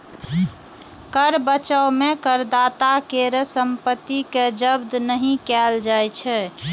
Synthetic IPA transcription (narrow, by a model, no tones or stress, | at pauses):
kəɾbət͡ʃəʊmẽkəɾd̪at̪akeɾəsəmpət̪ːiked͡ʒəbd̪nəɦĩkɛld͡ʒajt͡ʃʰɛ